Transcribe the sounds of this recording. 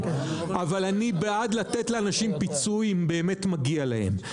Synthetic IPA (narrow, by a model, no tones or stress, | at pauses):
ʔavalanibead̪lat̪etleanaʃimpit͡sujimbe̞ːme̞tmaɡialahe̞̰m